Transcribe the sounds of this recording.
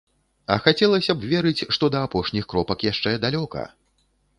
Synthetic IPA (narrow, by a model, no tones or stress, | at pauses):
ɐ̰xat͡sʲɛlˠɐsʲɐbvʲɛɾɨt͡sʲʂt̪ɔd̪ɐːpɔʂnʲixkɾɔpɐkjaʂt͡ʂɛd̪alʲɔkɐ̰